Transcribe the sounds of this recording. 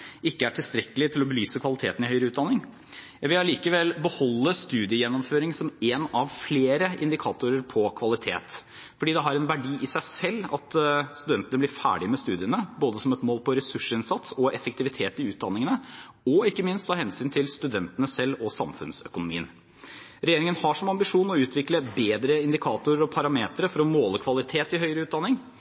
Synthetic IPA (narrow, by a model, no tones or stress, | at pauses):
ɪkːəæʈʰɪlst̪ɾɛkəlɪt̪ʰɪlɔbəlyːsəkʰʋɑlɪt̪ʰeːt̪n̩ɪhœʏɾəʉːt̪̚d̪ɑnɪŋ | jɑʋɪlɑliːkəʋɛlbəhɔlːəst̪ʉːd̪ɪəjɛnːɔmføːɾɪŋsɔmeːnɑʋfleːɾəʔɪ̰nd̪ɪkʰɑːt̪ʊɾəɾpʰɔkʰʋɑlɪt̪ʰḛːt̪ | fɔɖiːd̪ɛɦɑɾɛnʋæɖiːʔɪsæɪsɛlːɑ̰t̪st̪ʉd̪ɛnt̪ənəblɪɾfæ̰ːɖɪmɛst̪ʉːd̪ɪənəboːd̪əsɔmɛt̪moːlpʰɔɾɛsʉʂəɪnsɑt̪sɔʔɛfəkt̪ɪʋɪt̪ʰeːt̪ɪʉːt̪̚d̪ɑnːɪŋənə | ɔɪkːəmɪnst̪ʰɑːhɛnsyːnt̪ʰɪlst̪ʉd̪ɛnt̪ənəsɛlːɔsɑ̰mfʉ̰nsœ̰kʊnʊmḭːən | ɾɛjeːɾɪŋənhɑʂɔmɑmbɪʂuːnɔʉːt̪ʰʋɪkləbeːd̪ɾəɪnd̪ɪkʰɑːt̪ʊɾəɾɔpʰɑɾɑmeːt̪ɾəfɔɾɔmoːləkʰʋɑlɪt̪ʰeːt̪ɪhœʏɾəʉːt̪d̪ɑnːɪŋ